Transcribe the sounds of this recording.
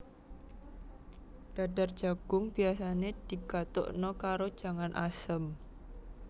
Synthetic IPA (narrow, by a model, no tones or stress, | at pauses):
d̥adar̥d͡ʒaɡ̥ʊŋb̥iasaned̪̥i̤ɡ̥at̪o̰ʔnɔkaɾo̥ʒ̥a̤ŋanʔasəm